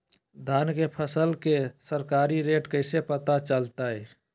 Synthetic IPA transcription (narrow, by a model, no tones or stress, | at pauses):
d̪ʱaːnkepʰəsəlkesəɾkaːɾiɾeːʈkəɪsepət̪at͡ʃəlt̪aɛ